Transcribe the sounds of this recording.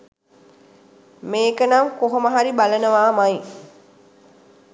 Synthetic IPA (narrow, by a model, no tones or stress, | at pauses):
meːkənaŋkoɦoməɦaɾibalənəʋaːmaj